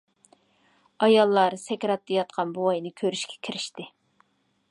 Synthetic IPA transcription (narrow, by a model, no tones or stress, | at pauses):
ɑjɑlˠːɑɾsɛkʲɾɑt̪ːejɑt̪̚qʰɑnboɑjnɨkʲʰøɾyʃkʲʰɛ̥kʲʰiɾɪʃt̪ɪ